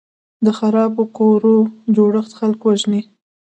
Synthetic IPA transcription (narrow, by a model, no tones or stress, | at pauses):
d̪əxaɾɑbokoɾod͡ʒoɽəxt̪xalkwaʒni